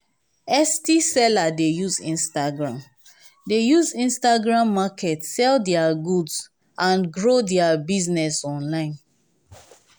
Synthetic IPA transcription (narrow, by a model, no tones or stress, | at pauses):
ɛstisɛladejuzḭ̃nstaɡɹãm | dejuzĩnstaɡɹãmːakʰɛtsɛldɛaɡudz | ãnɡɹodɛabiznɛsɔ̃nlãɪ̃n